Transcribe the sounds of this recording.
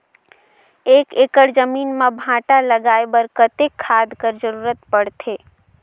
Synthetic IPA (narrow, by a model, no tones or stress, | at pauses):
eːkeːkəɽd͡ʒəmiːnmẽbʱãːʈaləɡaːebəɾkət̪ekʰːaːd̪kəɾd͡ʒəɾuːɾət̪pəɽt̪ʰeː